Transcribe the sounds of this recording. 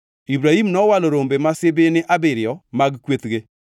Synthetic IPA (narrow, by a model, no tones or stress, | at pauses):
ibɾahimnɔwaloɾombemasebenɪʔabɪɾɪɔmaɡkwet̪ɣe